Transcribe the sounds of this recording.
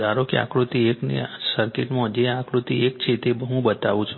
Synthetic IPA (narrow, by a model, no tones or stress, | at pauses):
aɾokea̰kɾut̪ieknḭsəɾkeʈmõd͡ʒeãkɾut̪iek̚t͡ʃʰet̪ebʱəɦũbət̪aʋũt͡ʃʰ